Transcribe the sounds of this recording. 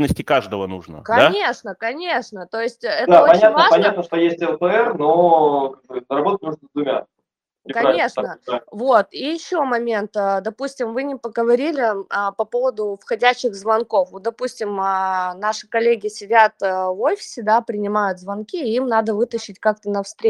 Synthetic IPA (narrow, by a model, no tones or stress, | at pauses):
nːəsʲtʲɪkaʐd̪əvənuʐnə̰kɐanʲeʂnəkɐnʲe̞ʂnət̪o̞jɪsʲtʲɛt̪d̪əaoɐnʲatvəapɐnʲat̪nəʂt̪ojesʲtʲɛlpəɛrnokaɡ̚bɨnəɾɐbot̪ət̚ʲnʲuʐnəd̪vʊmʲa̰ | kɐnʲe̞ʂnəvo̞t̪ijɪɕːo̞mɐmʲe̞nt̪əd̪ɐpusʲtʲɪmvɨnʲɪpəɡəvɐɾʲilʲɪəpɐpo̞vəd̪ʊfxɐdʲæɕːɪɣzvɐnko̞fvot̪̚d̪ɐpusʲtʲɪmənaʂɨ̥kɐlʲːeɡʲɪsʲɪdʲat̪ːvofʲɪ̥sʲɪd̪apɾʲɪnʲɪmajʊt̪zvɐnkʲiimnad̪əvɨt̪əɕːɪtʲkak̚t̪ənɐfst̪ɾʲe